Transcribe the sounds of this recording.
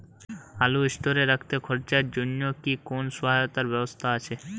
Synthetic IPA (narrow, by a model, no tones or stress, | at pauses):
aluisʈoɾeɾakʰt̪ekʰɔɾt͡ɕaɾd͡ʑonjokikonsɔɦajot̪aɾbɛbost̪ʰaat͡ɕʰe